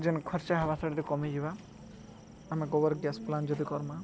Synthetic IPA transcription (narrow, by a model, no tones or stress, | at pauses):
d͡ʒinkʰɔɾt͡ʃaɦaβasɔɽd̪ikɔmid͡ʒiba | ameɡɔbɔɾɡjaspland͡ʒɔd̪ikɔɾma